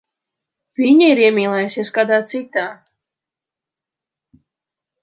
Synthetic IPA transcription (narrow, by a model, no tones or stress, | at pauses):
vʲiɲiiɾiɛmʲiːlˠɛjusʲieɛskaːd̪aːt̪sit̪aː